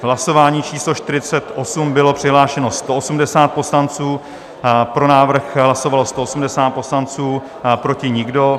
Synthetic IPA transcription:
ɦlaso̞vaːɲiːt͡ʃiːslo̞ʃt̪ɪɾɪt͡sɛt̪ʔo̞sumbɪlo̞pr̥ɪɦlaːʃɛno̞st̪oosumdɛsaːt̪̚po̞slant͡suː | pɾo̞naːvr̩xɦlaso̞valost̪oosumdɛsaːt̪̚po̞slant͡suː | pɾo̞cɪɲɪɡdo̞

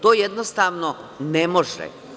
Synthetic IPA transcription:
t̪oːjed̪nost̪aːʋnonemo̞ʒɛ̰

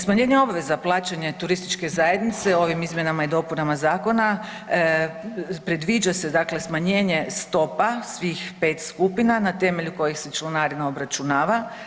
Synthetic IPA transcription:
smaɲe̞ɲeo̞bʋe̞zaplˠaːt͡ʃeɲet̪uɾist̪it͡ʃke̞zaje̞d̪nit̪se̞o̞ʋimizmje̞namaid̪o̞punamazaːko̞na | pɾed̪ʋid͡ʒase̞d̪akle̞smaɲe̞ːɲe̞st̪o̞pasʋixpe̞ːt̪skupinanat̪e̞meʎuko̞jixset͡ʃlenaɾinaobɾat͡ʃunaːʋa

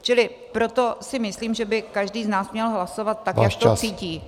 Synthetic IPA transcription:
t͡ʃɪlɪ | pɾo̞t̪o̞sɪmɪsliːmʒɛbɪkaʒdiːznaːsmɲɛlɦlaso̞vat̪̚ːakjakt̪ot͡siːciː

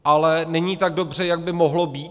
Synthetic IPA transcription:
ʔalɛnɛɲiːt̪aɡ̚do̞br̝ɛjaɡ̚bɪmo̞ɦlo̞biː

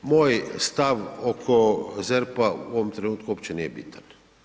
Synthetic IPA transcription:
moːjst̪aʋokʰozɛɾpaṵoʋomt̪ɾenuːt̪̚kuopt͡ʃeniːjɛbḭt̪ʰan

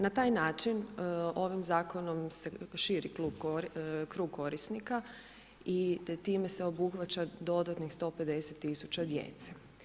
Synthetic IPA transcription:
nat̪aːjnaːt͡ʃino̞ʋimzaːko̞no̞mseʃiːɾikluːɡkokɾuːɡ̚ko̞ɾisnika | it̪iːme̞se̞o̞buxʋat͡ʃad̪o̞d̪at̪nixst̪o̞ːpe̞d̪e̞set̪ːisu̥t͡ʃad̪jḛːt̪se̥

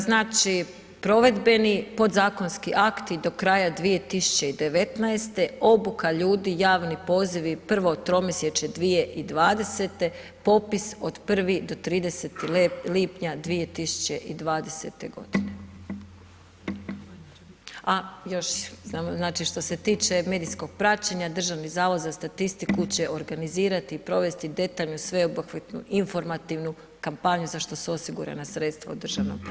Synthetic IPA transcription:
znaːt͡ʃi | pɾo̞ʋe̞d̪be̞nipo̞d̪zaːko̞nskiʔakt̪id̪o̞kɾaːjad̪ʋije̞t̪isu̥t͡ɕe̞id̪e̞ʋe̞t̪naest̪e̞o̞bukaʎuːd̪ijaːʋnipo̞ːziʋipr̩ʋo̞t̪ɾo̞misjet͡ʃed̪ʋije̞ʔid̪ʋaːd̪e̞se̞t̪e̞ | po̞piso̞d̪pr̩ʋid̪o̞t̪ɾiːd̪e̞set̪iliːpɲad̪ʋije̞t̪isu̥t͡ɕe̞ʔid̪ʋaːd̪e̞sḛt̪e̞ɡo̞̰d̪̥ine | ajo̞ʃznaːmznaːt͡ʃiʃt̪o̞se̞t̪iːt͡ʃe̞me̞d̪isko̞ɡ̥̚pɾat͡ɕeɲad̪r̩ʒaʋnizaːʋo̞d̪zast̪at̪ist̪ikut͡ɕe̞ʔo̞ɾɡaniziːɾat̪iːpɾo̞ʋe̞st̪id̪e̞t̪aːʎnusʋe̞oboxʋit̪nuʔiɱfo̞ɾmat̪iʋnu | kampaɲuzaʃt̪o̞seo̞siɡuɾa̰nasɾe̞t̪st̪ʋaud̪r̩ʒaʋnomp

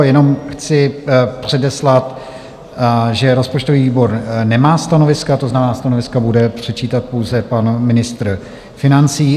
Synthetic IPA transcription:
jɛno̞mxt͡sɪpr̝̥ɛdɛslat̪ | ʒɛɾo̞spot͡ʃt̪oviːviːbo̞ɾnɛmaːst̪ano̞vɪskat̪oznamnaːst̪ano̞vɪskabudɛpr̝̥ɛt͡ʃiːt̪at̪̚po̞wzɛpanmɪnɪst̪ɾ̩ | fɪnant͡siː

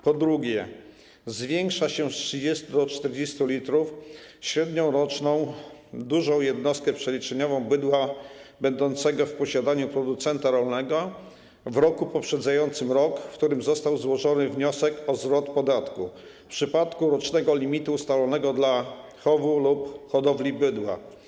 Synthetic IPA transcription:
pɔd̪ɾuɡʲjɛ | zvʲjɛŋkʂaɕɛstʂɘd͡ʑɛst̪ud̪ɔt͡ʂt̪ɛɾd͡ʑest̪ulʲit̪ɾufɕɾɛd̪ɲɔ̃w̃ɾɔt͡ʂnɔ̃w̃d̪uʐɔ̃w̃jɛd̪nɔst̪̚kɛpʂɛlʲit͡ʂɛɲɔvɔ̃w̃bɘd̪wabɛnd̪ɔnt̪sɛɡɔfpɔɕad̪aɲupɾɔd̪ut̪sɛnt̪aɾɔlnɛɡɔ | vɾɔkupɔpʂɛd̪zajɔnt̪sɘmɾɔkkt̪uɾɘmzɔst̪awzwɔʐɔnɘvɲɔsɛkɔzɾɔt̪pɔd̪at̪ku | pʂɘpat̪kuɾɔt͡ʂnɛɡɔlʲimʲit̪uːst̪alɔnɛɡɔd̪la | xɔvulupxɔd̪ɔvlʲibɘd̪wa̰

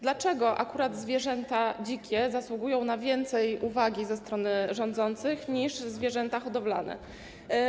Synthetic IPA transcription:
d̪lat͡ʂɛɡɔʔa̰kuɾad̪zvʲjɛʐɛnt̪ad͡ʑikʲɛzaswuɡujɔ̃w̃navʲjɛnt̪sɛjuvaɡʲizɛst̪ɾɔnɘʐɔnd̪zɔnt̪sɘxɲiʐzvʲjɛʐɛnt̪axɔd̪ɔbla̰nɛ̰

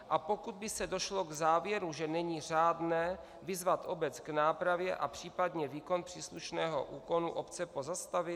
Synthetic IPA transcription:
ʔapo̞kud̪̚bɪsɛdo̞ʃlo̞ɡzaːvjɛɾuʒɛnɛɲiːraːdnɛː | vɪzvat̪ʔo̞bɛt͡sɡnaːpɾavjɛʔapr̝̥iːpadɲɛviːko̞npr̥iːsluʃnɛːɦo̞̰ʔuːko̞nuʔopt͡sɛpo̞zast̪avɪ

